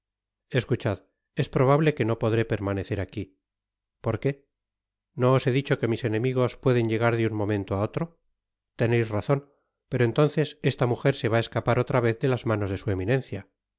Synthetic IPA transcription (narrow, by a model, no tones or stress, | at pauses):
e̞skut͡ʃað | e̞spɾo̞β̞aβle̞ke̞no̞po̞ðɾe̞pe̞ɾmaneθe̞ɾaki | po̞ɾke̞ | no̞ːse̞ðit͡ʃo̞ke̞mise̞nẽ̞miɣ̞o̞spwe̞ðe̞ɲʎe̞ɣ̞aɾðeuŋmõ̞mẽ̞nt̪oao̞t̪ɾo̞ | t̪e̞ne̞jsraθo̞n | pe̞ɾo̞e̞nt̪õ̞nθe̞se̞st̪amuxe̞ɾse̞βae̞skapaɾo̞t̪ɾaβe̞θðe̞lazmano̞zðe̞sue̞minẽ̞nθja